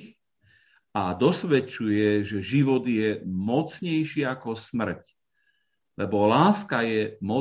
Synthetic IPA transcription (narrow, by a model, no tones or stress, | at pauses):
ad̪ɔsʋɛt͡ʃujɛʒɛʒiʋɔd̪jɛmɔt͡sɲɛjʃiakɔsmr̩c | lɛbɔlaːskajɛmɔ